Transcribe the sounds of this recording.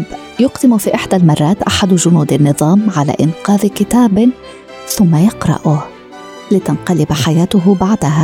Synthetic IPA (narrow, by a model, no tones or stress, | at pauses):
b | jʊqd̪ɪmʊfiːʔɪħd̪almɑrˤːɑːt̪ʔaħad̪ʒʊnuːd̪anːɨðˤɑːmʕala̰ːʔɪnqɑːðkɪt̪aːb | θʊmːajɑqɾˤɑ̰ʔʊh | lɪt̪anqɑlɪbaħajaːt̪ʊɦbaʕd̪aɦa